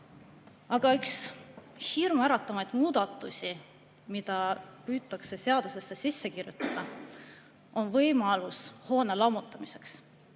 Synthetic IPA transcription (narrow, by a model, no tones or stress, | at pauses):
ɑɡ̥ɑyks | hirmæɾɑt̪ːˑɑmɑjd̪̥muːd̪̥ɑt̪ːˑusʲi | mid̪̥ɑpyːt̪ːˑɑkse̞seɑd̪̥use̞sːesisːe̞kirjut̪ːˑɑd̪̥ɑ | o̞nvɤjmɑlusho̞ːne̞lɑmut̪ːˑɑmise̞ks